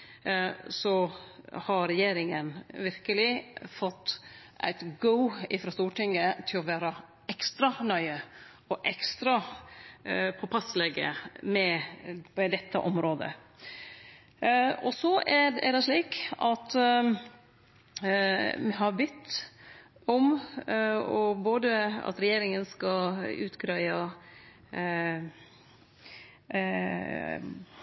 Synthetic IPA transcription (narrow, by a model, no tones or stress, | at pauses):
sɔhɑɾɛjeːɾɪŋənʋɪɾkəlɪfɔt̪ːʔæ̰ɪt̪ɡəʊɪfɾɑst̪uːʈʰɪŋːət̪ʰɪlɔʋæːɾə | ɛkst̪ɾɑnœʏə | ɔʔɛkst̪ɾɑ | pʰɔpʰɑslɛɡə̰mɛmɛd̪ɛt̪ʰːə̰ʔɔmɾoːd̪ə̰ | ɔsɔæɛ̰d̪ɛʂliːkɑt̪ | mɛɦɑɾbɪt̪ː | ɔm | ɔboːd̪əɑ̰t̪ɾɛjeːɾɪŋənskɑʉ̰ːt̪ɡɾœɪɑ